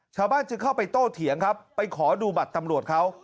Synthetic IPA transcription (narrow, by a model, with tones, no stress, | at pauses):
t͡ɕʰaː˧wbaː˥˩nt͡ɕɯ˧ŋkʰa˥˩wpa˧jt̪oː˥˩t̪ʰi˨˩˦əŋkʰa˦˥pːa˧jkʰɔː˩˦duː˧ba˨˩t̪ːa˧mɾu˨˩ət̪̚kʰa˦˥w